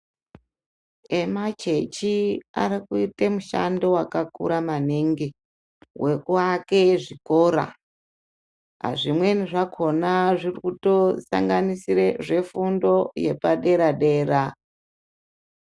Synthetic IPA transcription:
emat͡ʃet͡ʃia̰ɾikuitemuʃa̰ndowakakṵɾamaniŋɡi | wʔe̞kuake̞ʐiko̞ːɾa̰ | a̰ʐimwe̞niʐakʰo̞naʐirikuto̞sa̰ŋɡanisireʐe̞fundo̞je̞paɗe̞ɾaɗe̞ːɾa

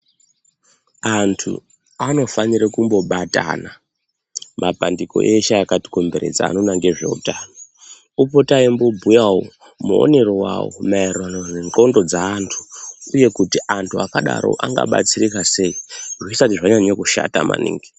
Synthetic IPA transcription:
antʰṵ | ano̞faniɾekumbo̞ɓata̰na | mapandiko̞̰ʔeʃaakati̥ko̞mbe̞ɾe̞̰d͡za̰ːnonaŋɡeʐe̞̰ṵtano | upotaimbobʱujawo̰ | muo̰ne̞rowa̰wo̰mairranoreŋǃo̞ndo̞d͡zaːntʰu̥uje̞kutiʔantʰuakaɗa̰ɾo̞̰ʔaŋɡa̰ɓa̰t͡sirikase̞iʐisatiʐaɲaɲokuʃa̰ta̰ma̰nḭːŋɡi

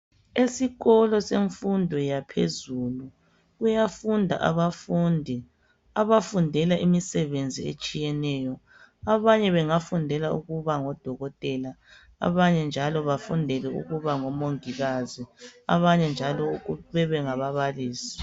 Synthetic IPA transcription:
esiɣɔlɔseɱfundʱɔjapʰḛzulu | ɣujafundʱa̰ʔa̰βafundʱi | aβafundʱɛlaʔimisɛβend͡zʱiḛt͡ʃʼijɛnɛːjɔ | aβaɲɛβɛŋafundʱɛlaṵɣuβaŋɔd̥ʱɔɣɔtʼɛla | a̰βaɲɛnd͡ʒʱalɔβafundʱɛlɛṵɣuβaŋɔmoŋiɣazia̰βaɲɛnd͡ʒʱalɔuβɛβɛŋaβaβaliːsi̥

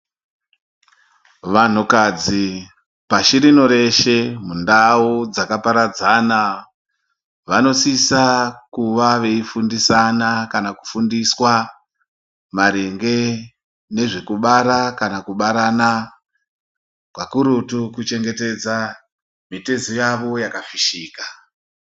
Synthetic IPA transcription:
ʋan̤ukad͡zi | paʃiɾinoɾe̞ʃe̞mundaud͡zakapaɾad͡zana | ʋano̞sisakuʋaʋe̞ifundisanakanaku̥fundiswa | maɾeŋɡe̞ | ne̞ʐekuɓaɾakanakuɓaɾana | kwakuɾutukut͡ʃe̞ŋɡe̞te̞d͡za | mitezojaʋo̞jakafiʃiːka

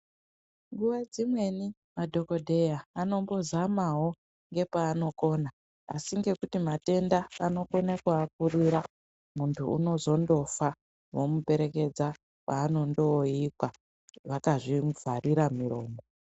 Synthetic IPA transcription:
ŋɡuʋad͡zimwe̞ni | madʱo̞ko̞dʱe̞jaːno̞mbo̞zamaɦo̞ | ŋɡe̞paːno̞ko̞na | a̰siŋɡe̞kutimate̞ndaano̞ko̞nakwaːk̚uriɾa | muntʰuṵno̞zo̞ndo̞fa | wo̞mube̞ɾe̞ke̞d͡za | paːno̞ndo̞ikwa | ʋakaʐivʱariɾamiro̞ːmbo

